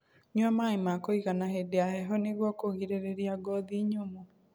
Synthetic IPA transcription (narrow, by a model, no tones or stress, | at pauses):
ɲwamaimakoiɣanaɦedeaɦɛɦɔneɣwakoɣiɾeɾeɾiaɡɔðiɲomo